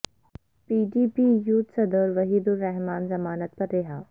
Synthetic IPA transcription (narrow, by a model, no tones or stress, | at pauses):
piːɖiːpiːjuːt̪sɐd̪əɾʋɐɦiːd̪ʊlːɛɦmaːnzɐmaːnət̪pɐɾːeɦaː